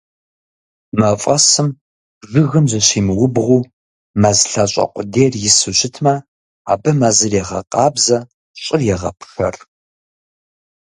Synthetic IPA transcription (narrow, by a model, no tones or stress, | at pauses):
mɐfʼɐsɨm | ʒɨɣɨmzɐɕiːmɨwʊbʁʷuː | maːzɬɐɕʷʼɐ̰qʷʼʊdeːrjɪsɨɕʼɪtʰmɐ | a̰ːbɐmaːzɨrjɛʁɐ̰qʼɑːbzɐ | ɕʼɪrjɛʁɐ̰pʰʂɐ̰r